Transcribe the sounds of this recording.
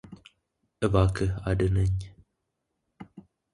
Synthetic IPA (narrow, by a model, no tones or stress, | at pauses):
ʔɨbakʰɨad̪ɨnəɲ